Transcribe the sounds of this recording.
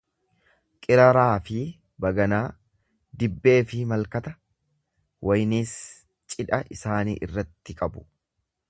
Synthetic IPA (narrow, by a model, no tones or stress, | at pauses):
kʼɪɾɐɾaːfɪ | bɐɡɐnaː | d̪ɪbːe̞ːfɪmɐlkɐt̪ɐ | wʔɐjniːs | t͡ʃʼɪᶑɐʔɪsaːnḭːʔɪ̰rːɐt̪ːɪkʼɐbʊ̥